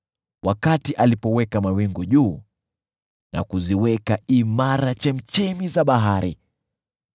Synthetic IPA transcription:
wʔakatiʔalipɔwɛkamawiŋɡuʄuː | nʔa̰kuziwɛkaimaɾat͡ʃɛm̩t͡ʃɛmizaɓaɦaɾḭ

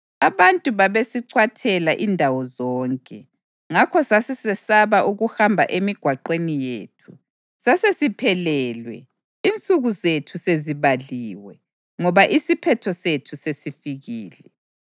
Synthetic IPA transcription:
aβantʼuβaβesiǀʰwatʰɛlaʔindʱawɔzɔːŋkʼɛ | ŋakʰɔsasɛsɛsaβaʔuɣuhambʱa̰ʔemiɡ̥ʱwaǃenijḛːtʰu | sasesipʰɛlɛlwɛ̰ | int͡sʼuɣuzetʰuseziβaliːwɛ | ŋɔβaʔisipʰɛtʰɔsetʰusesifiɣiːlɛ

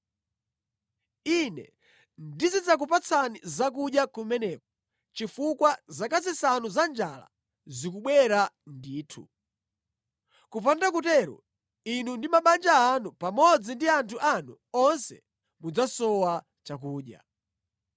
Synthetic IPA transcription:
inɛ̰ | ndizid͡zak̬upat͡sʰanizak̬uɗjakumɛnɛk̚ɔ | t͡ʃifukwazakazisanuzand͡ʒala̰ | zikuɓwɛɾandiːtʰu | kupandakutɛɾɔ̰ | inundimaɓand͡ʒaːnupamɔd͡zindiantʰuʔanu | ɔnsɛ̰ | mud͡zasɔwa | t͡ʃak̬uːɗja̰

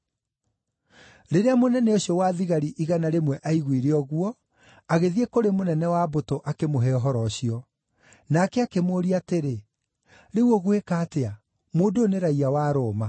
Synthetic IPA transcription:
ɾeɾeamonɛnɛoɕjɔwaðiɣaɾiʔiɣanaɾemwɛʔaiɣwiɾeɔɣuɔ | aɣeðiekoɾemonɛnɛwabotoʔakemoɦɛɔɦɔɾɔɕiɔ | nakɛakemoːɾiateɾe | ɾeuɔɣwekaːtea | moːdoːneɾaiawaːɾoːma

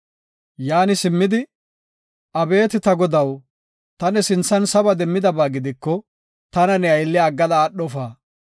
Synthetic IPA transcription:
jaːnɪsɪmːɪd̪ɪ | ʔɐbe̞ːt̪ɪt̪ɐɡɔd̪ɐw | t̪ɐnɛsɪnsɐnsɐbɐd̪ɛmːɪd̪ɐbaːɡɪd̪ɪkːɔ | t̪ɐnɐnɛɐjlːɪɐɡːɐlɐːɗːɔfaː

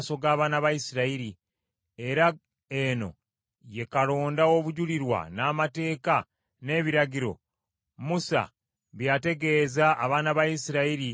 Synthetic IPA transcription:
so̞ɡaːβaːnaβajisiɾaiɾi | e̞ɾa | e̞no̞̰ | je̞kalo̞ːndaoβuɟuliɾwa̰naːmate̞ːka | ne̞ːβiɾaɟiɾo̞̰ | musa̰ | βjate̞ɡe̞ːzaʔːβaːnaβajisiɾaiɾi

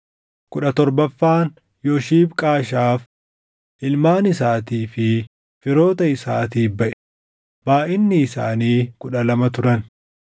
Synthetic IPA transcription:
kʊᶑɐt̪ɔɾbɐfːaːn | joʃiːbkʼaːʃaːf | ʔɪlmaːnɪsaːt̪iːfɪ | fɪɾo̞ːt̪ɐɪsaːt̪iːbɐʔɛ̥ | maːʔɪnːɪːsa̰ːniːkʊᶑɐlɐmɐt̪ʊɾɐn

